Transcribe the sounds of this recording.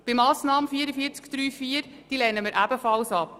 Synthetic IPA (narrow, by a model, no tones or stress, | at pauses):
b̥ɪmɑːsnɑːməfiəɾəfiəɾt͡skd̪̥ɾyːfiːəɾ | d̥iːlɛnəməɾʔæbəfɑlsɑp̚